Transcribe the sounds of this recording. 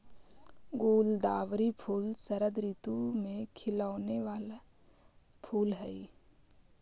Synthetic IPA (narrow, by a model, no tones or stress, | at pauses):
ɡuːld̪aːʋɾipʰuːlsəɾəd̪ɾit̪umẽkʰɪlaːneʋaːla | pʰuːlɦɛi